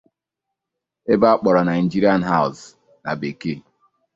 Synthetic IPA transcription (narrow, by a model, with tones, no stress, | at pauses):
e˦ba˦a˦k͡pɔ˨ɾɔ˨na˨i˨n˨d͡ʒi˦ɾi˦a˦˨nɦa˦ʊ˨s | na̰˨be˨ke˦